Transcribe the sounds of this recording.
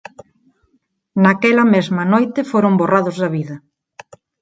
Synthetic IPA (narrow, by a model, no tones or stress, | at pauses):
nakɛlɐmezmɐnojt̪ɪfoɾomboraðʊzðɐβiðɐ